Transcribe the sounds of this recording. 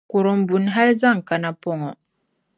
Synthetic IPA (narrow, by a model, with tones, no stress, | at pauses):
ku˨ɾɔ˨m̩˨bu˨nɦa˦lza˦˨ŋ˨ka˨na˨pɔ˦˨ŋɔ˨